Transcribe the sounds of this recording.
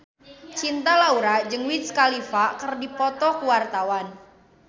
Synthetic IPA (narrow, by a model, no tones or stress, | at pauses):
t͡ʃint̪alauɾad͡ʒəŋwit̪skalifakərdipɔt̪ɔkuwart̪awan